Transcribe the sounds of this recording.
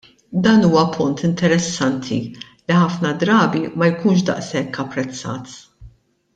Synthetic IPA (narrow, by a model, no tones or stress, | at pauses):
d̪ɐːnuːwɐpʰʊnt̪ɪnt̪ɛɾɛsːɐnt̪ʰḭ | liħɐfnɐd̪ɾɐːbimɐjkuːnʃd̪ɐ̰ʔsɛkːɐpːɾɛt͡sːɐ̰ːt̪